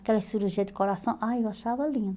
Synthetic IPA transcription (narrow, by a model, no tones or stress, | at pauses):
kɛlɐsiɾuʒiɐd̪ɪkoɾasɐ̃w̃ʔajewaʃavɐlĩnd̪